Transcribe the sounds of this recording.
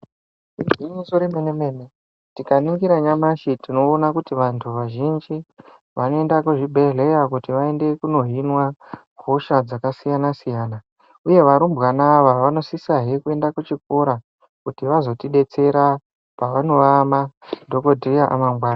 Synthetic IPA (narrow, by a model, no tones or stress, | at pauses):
iɡiɲisoɾemenemene | tikaniŋɡiɾaɲamaʃitino̞ːnakutiʋantʰuʋaʒind͡ʒi | ʋano̞e̞ndakuʐibʱe̞ɮe̞jakutiʋae̞nde̞kuno̞ɦinwaɡʱoʃad͡zakasijanasijaːna | uje̞ʋaɾumbɣanaːʋaʋano̞sisaɦekue̞ndakut͡ʃikoɾa | kutiʋazo̞tiɗe̞t͡se̞ɾa | paʋano̞ʋamando̞ko̞dʱrijaʔa̰maŋɡwaːna